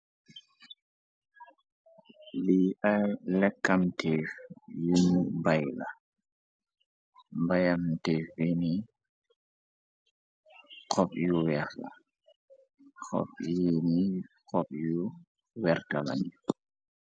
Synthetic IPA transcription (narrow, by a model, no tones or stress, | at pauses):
liʔajlɛkːamtʰɛːfjunibajla | bajamtɛːfjini | kɔpjuwɛɾla̰ | kʰɔ̰pjeni | kɔpju | wɛɾtala̰ni